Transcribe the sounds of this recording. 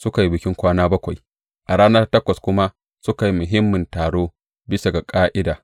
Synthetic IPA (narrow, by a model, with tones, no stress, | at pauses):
sʊ˦ka˨ji˦bɪ˨kʲɪ˦ŋkʷaː˦naː˦bɐ˦kʷa˨j | ʔa˨ɽaː˦nɐ˦rtɐ˦kʷɐ˨skʷʊ˦ma˦ | sʊ˦ka˨ji˦mʊ˨ɦɪ˦mːɪ˨ntaː˨ɽoː˦ | bɪ˦sa˨ɡa˨kʼaː˦ʔɪ˦daː˨